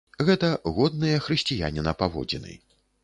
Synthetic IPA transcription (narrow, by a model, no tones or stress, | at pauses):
ɣɛt̪ɐɣɔd̪̚nɨjɐxɾɨsʲt͡sʲija̰nʲinɐpavɔ̰d͡zʲinɨ̰